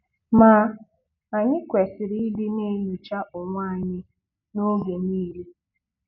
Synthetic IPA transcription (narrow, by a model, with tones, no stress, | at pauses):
ma˨˦ | a˨ɲɪ˦kʷe˨sɪ˨ɾi˦i˦di˦ne˦ɲu˨t͡ʃa˦ʔʊ˨ŋʷa˦˨ɲɪ˦ | no˦ɡe˨niː˦le˦